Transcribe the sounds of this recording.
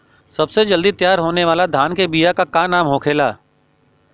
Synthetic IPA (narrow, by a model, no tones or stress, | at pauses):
sɐbsed͡ʒɐld̪it̪jaːɾɦoːneʋaːlad̪ʱaːnkebijakakaːnaːmɦoːkʰeːlaː